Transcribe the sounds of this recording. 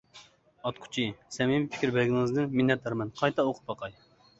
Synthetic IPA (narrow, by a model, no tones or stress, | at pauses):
ɑt̪qʰʊ̥t͡ʃʰisɛmɪmpʰɪ̥kʲʰiɾbɛlɡʲinɪŋɨzd̪ɪnminːɛt̪ɑɾmɛnqʰɑjt̪ʰɑoqʰʊ̥pɑqʰɑj